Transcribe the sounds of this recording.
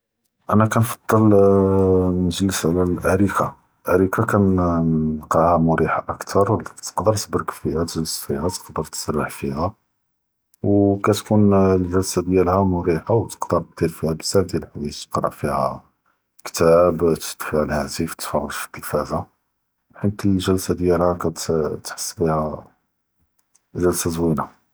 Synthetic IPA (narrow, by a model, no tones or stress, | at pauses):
ʔænækænfɑ̥d̪ˤːəl | nəʒləsʕlælʔæɾikʰa | lʔæɾikakænː | qɑʕhæmʊɾiħaʔəkt̪ʰɑɾˤwlt̪ə̥qd̪əɾt̪bɾəkfihæt̪ʒələsfihæt̪ə̥qd̪əɾt̪ə̥sərːəħfihæ | wkæt̪kunlʒəlsad̪jælhæmʊɾiħawt̪ə̥qd̪əɾˤq̚d̪iɾfihæbəzæfd̪jælħwit̪qɾˤɑ̰ʕfihæ̰ | kt̪æbt̪ə̥t̪ːfiʕlhæt̪ift̪fɑʕfə̥d̪əlfæza | ħənt̪iʒəlsad̪jælhækæt̪t̪ħɑ̥sˤːlihæ | ʒəlsazwina